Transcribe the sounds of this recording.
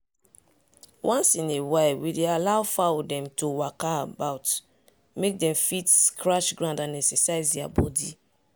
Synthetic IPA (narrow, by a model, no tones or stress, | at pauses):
wʔɔ̃nsĩnewewidealaʊfawdɛ̃mtowakaabaʊt | mek̚dɛ̃mfitkʰɹaʃɡɹãndãnɛksɛsaɪzdɛa̰bɔdi